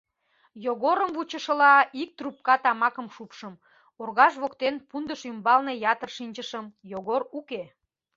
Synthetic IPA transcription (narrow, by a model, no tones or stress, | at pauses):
joɣoɾəmvut͡ɕəʃə̆lɑik̚t̪rup̚kɑt̪ɑmɑkəmʃupʃəm | orɣɑʃβokt̪enpund̪əʃymbɑlne̽jɑt̪ərʃinʲt͡ɕəʃəmjoɣoɾuke